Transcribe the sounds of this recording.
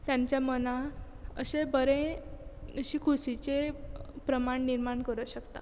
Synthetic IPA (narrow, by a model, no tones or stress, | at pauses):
t̪jãɲt͡ɕjaməna | ə̰ɕebəɾẽ | əɕiːkʰusit͡ɕepɾəmaɳniɾmaɳkəɾəɕəkt̪a̰